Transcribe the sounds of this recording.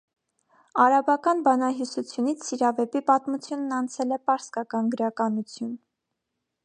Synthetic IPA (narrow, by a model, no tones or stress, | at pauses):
ɑɾɑbɑkɑnbɑnɑɦjusut͡sʰjunit͡sʰːiɾɑvɛpipɑt̪mut͡sʰjunːɑnt͡sʰɛlɛpɑɾskɑkɑnɡəɾɑkɑnut͡sʰjun